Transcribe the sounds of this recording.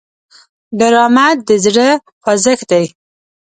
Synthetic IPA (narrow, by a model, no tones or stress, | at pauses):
d̪aɾɑmat̪̚d̪əzɽə | pɑzəkd̪aj